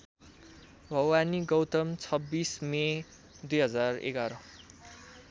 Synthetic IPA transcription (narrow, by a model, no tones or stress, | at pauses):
bʱʌwaniɡʌwt̪ʌmt͡sʰʌbːisme | d̪ujɦʌd͡zarḛɡaɾʌ